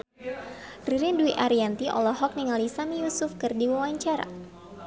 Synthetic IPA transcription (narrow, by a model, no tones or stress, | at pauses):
riɾinduiʔaɾiant̪iʔɔ̰lɔɦɔk̚niŋalisamijusufkɨrdiwawaɲt͡ʃaɾa̰